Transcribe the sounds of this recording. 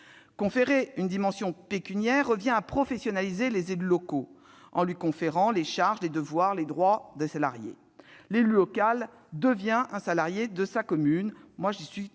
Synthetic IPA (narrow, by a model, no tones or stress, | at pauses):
kɔ̃feʁeynd̪imɑ̃sjɔ̃pekʲynjɛʁːəvjɛ̃apχɔfɛsjɔnalizelezelylɔko | ɑ̰̃lɥikɔ̃feʁɑ̃leʃaʁʒled̪əvwaʁled̪ʁwad̪esala̰ʁjḛ | lelylɔkal | d̪əvjɛ̃ʔɛ̃salaʁjed̪əsakɔmynmwaʒisɥi